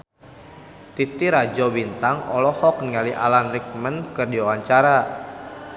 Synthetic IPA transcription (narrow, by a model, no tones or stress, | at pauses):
t̪it̪iɾad͡ʒɔbint̪aŋɔ̰lɔhɔk̚nŋaliʔa̰lanrik̚mənkərdiwawaɲt͡ʃaɾa